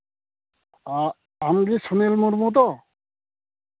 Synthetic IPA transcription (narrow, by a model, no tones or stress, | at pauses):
a | amɡisunelmuɾmut̪̬ɔ